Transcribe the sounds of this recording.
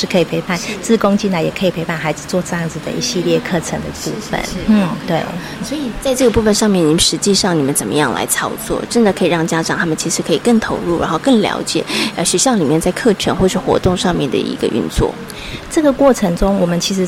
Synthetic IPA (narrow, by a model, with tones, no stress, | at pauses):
ʂɻ̩˥˩kʰɤ˧˥i˨˩pʰe˧˥ɪpʰa˥˩nt͡sɹ̩˥˩kʊ˥ŋt͡ɕi˥˩nla˧ɪjɛ˨˩kʰə˧˥i˨˩pʰe˧˥ɪpʰa˥˩nxa˧˥ɪd͡zɹ̩˨˩t͡swɔ˥˧ʈ͡ʂɤ˥˧jɑ˥˩ŋd͡zɹ̩˨˩d̪ə̰˩ʔḭ˧˥ɕi˥˧ljɛ˥˧kʰɤ˥˩ʈ͡ʂʰə̰˧˥ŋd̪ə˧pṵ˥˩fə̰˨nn̩˥˩t̪we˥˩ɪ | swɔ˧˥i˨˩t͡sa˥˧ɪʈ͡ʂɤ˥˩ɡə˩pu˥˩fə˨nʂɑ˥˧ŋmjɛ˥˩ni˨˩mə˨nʂɻ̩˧˥t͡ɕi˥˧ʂɑ˥˩ŋni˨˩mə˦nt͡sə˨˩mə̰˦jɑ˥˩ŋla̰˧˥ɪt͡sʰɑ˥ʊt͡swɔ̰˥˩ʈ͡ʂə˥˧nd̪ə˨˩kʰɤ˧˥i˨˩ɻɑ˥˩ŋt͡ɕja˥ʈ͡ʂɑ˨˩ŋt̪ʰa˥mə˨t͡ɕʰi˧˥ʂɻ̩˧˥kʰɤ˧˥i˨˩kə˥˩ŋt̪ʰo̰˧˥ʊɻu˥˩ɻʔa˧˥nxo˥˧ʊkə˥˩ŋljɑ̰˧˥ʊt͡ɕjɛ̰˨˩˦ə˩ɕɛ˧˥ɕjɑ˥˩ŋli˨˩mjɛ˥˧nt͡sa˥˧ɪkʰɤ˥˩ʈ͡ʂʰə̰˧˥nxwɔ˥˩ə˩ʂɻ̩˥˩xwɔ̰˧˥t̪ʊ˥˧ŋʂɑ˥˧ŋmjɛ˥˩nd̪ə̰˩ḭ˧˥ɡə̰˧ʔy̰˥˧nt͡swɔ̰˥˩ | ʈ͡ʂɤ˥˩ɡə˨˩kwɔ˥˩ʈ͡ʂʰə˧˥ŋʈ͡ʂʊ˥ŋwɔ˨˩mə˦nt͡ɕʰi˧˥ʂɻ̩˧˥